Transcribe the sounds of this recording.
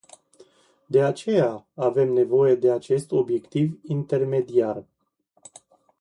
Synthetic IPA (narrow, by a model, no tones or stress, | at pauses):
d̪e̞at͡ʃe̞jaave̞mne̞vo̞je̞d̪e̞at͡ʃe̞st̪o̞bje̞kt̪ivint̪e̞rme̞d̪iar